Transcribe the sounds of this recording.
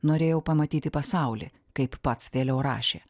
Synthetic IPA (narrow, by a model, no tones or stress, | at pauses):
noːɾʲeːjɛʊpɐmɐt̪ʲiːt̪ʲɪpɐsɑʊlʲḭ | kɐɪpːɐt̪sʋʲeːlʲɛʊɾɑ̰ːʃʲeː